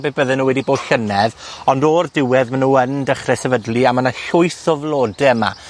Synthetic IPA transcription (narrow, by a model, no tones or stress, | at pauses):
beːbəðɛnːuːwɛdiboːd̥ɬənɛðɔndordɪwɛðmanuːəndəχrɛsɛvədlˠiamanaɬʊɨθɔvlˠoːdɛma̰